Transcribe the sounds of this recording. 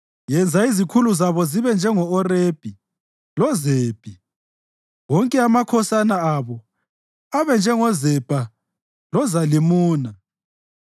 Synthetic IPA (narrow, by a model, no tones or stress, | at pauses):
jɛnd͡zʱaizikʰuluzaβɔziβɛnd͡ʒʱɛŋɔːreb̥ʱi | lɔzeːb̥ʼʱi | wɔŋkʼɛamakʰɔsanaaβɔ | aβɛnd͡ʒʱɛŋɔzɛb̥ʱa | lɔzalimuːna